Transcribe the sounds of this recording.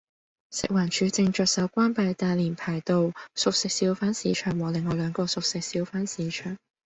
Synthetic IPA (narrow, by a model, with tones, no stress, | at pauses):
sɪ̰˨k̚waː˨˩nt͡ʃʰyː˨˧˥t͡sɪ˧ŋt͡ʃœː˨t̚sɐ˨˥wkʷaː˥npa˧jt̪aː˧jliː˨˩npʰaː˨˩jt̪o˨˧wsʊ˨k̚sɪ˨˧k̚siː˨˥wfaː˨˥nsiː˨˧t͡ʃʰœː˨˩ŋwɔː˨lɪ˨ŋːɔː˨˧lœː˨˧ŋkɔː˧sʊ˨k̚sɪ˨k̚siː˨˥wfaː˥nsiː˨˧˥t͡ʃʰœː˨˩ŋ